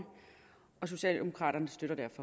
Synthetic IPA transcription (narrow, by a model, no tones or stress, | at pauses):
ɒ̽s̬o̝ɕɛ̰ːld̥e̝mo̝kʰʁɑ̰̈ːɾ̥ɐnəsd̥øɾɐd̥æɐfɒ̽